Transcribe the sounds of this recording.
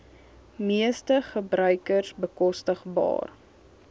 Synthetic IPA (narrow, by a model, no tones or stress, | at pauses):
miəstəχəbrœɥkərsbəkɔstəχbɑ̰ːr